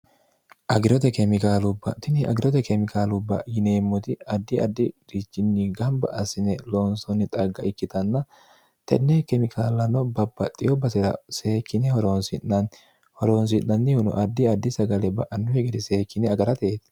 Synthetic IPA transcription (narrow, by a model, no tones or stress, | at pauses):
ʔɐɡɪɾɔt̪ɛkɛmɪkaːlʊbːɐ̰t̪ɪnɪɐ̰ɡɪɾɔt̪ɛkɛmɪkaːlʊbːɐ̰jɪne̞ːmːɔt̪ɪɐd̪ːɪɐ̰d̪ːɪɾit͡ʃːɪnːiɡɐmbɐ̰ʔɐsɪnɛloːnsɔnːɪt̪ʼɐɡːɐʔɪkːɪt̪ɐnːɐ | t̪ɛ̰nːɛkɛmɪkʰaːlːɐnɔbɐbːɐt̪ʼɪjɔbɐsɛɾɐ̰se̞ːkːɪnɛhɔɾoːnsɪnːɐn | hɔɾoːns̬ɪnːɐnːɪhʊnʊ̰ʔɐd̪ːɪɐd̪ːɪsɐɡɐlɛbɐʔɐnːʊhɛɡɛd̪ɪse̞ːkːɪnɛɐɡɐɾɐt̪eːt̪